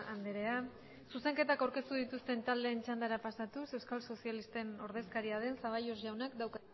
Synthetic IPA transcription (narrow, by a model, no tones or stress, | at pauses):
and̪eɾe̞a | suse̞ŋke̞t̪akawɾke̞st̪uð̞it̪ust̪e̞nt̪ald̪e̞ːnt͡ʃand̪aɾapasat̪use̞wskalso̞sialist̪e̞no̞ɾð̞e̞skaɾiað̞e̞nsaβ̞ajozʝawnakd̪awk